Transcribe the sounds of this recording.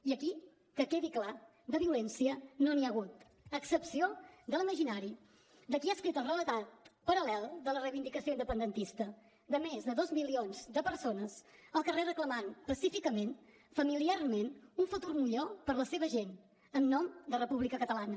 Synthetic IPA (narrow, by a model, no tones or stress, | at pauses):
iəki | kəkeðikla | d̪əβiulɛnsiənoniəɣut̪ | əksəpsiod̪əlˠiməʒinaɾi | d̪əkiaskɾit̪əlˠrələt̪at̪̚pəɾəlɛlˠd̪ələrəjβind̪ikəsioind̪əpənd̪ənt̪ist̪ə | d̪əmezðəðɔzmilionzd̪əpəɾsonəzəlˠkərerəkləmanpəsifikəmen | fəmiliarmenuɱfət̪urmiʎopəɾləseβəʒen | ənnɔmd̪ərəpuβlikəkət̪əlanə